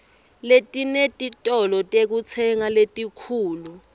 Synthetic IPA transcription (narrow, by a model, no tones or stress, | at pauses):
letʼinetʼitʼɔlɔtʼek̬ut͡sʰɛŋaletʼikʰuːlu